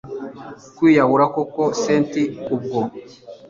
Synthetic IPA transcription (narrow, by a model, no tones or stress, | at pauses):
kwiːjaβuɾakokoseːntiub̚ɡo